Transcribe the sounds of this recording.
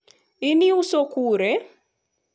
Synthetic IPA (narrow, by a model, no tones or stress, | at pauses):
iniusɔkuɾɛ